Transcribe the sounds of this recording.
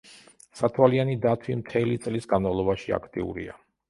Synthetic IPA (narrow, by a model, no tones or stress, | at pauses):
sat̪ʰwalianid̪at̪ʰwimt̪ʰɛlit̪sʼlisɡanmavlˠɔbaʃia̰kʰt̪ʼḭṵɾḭa̰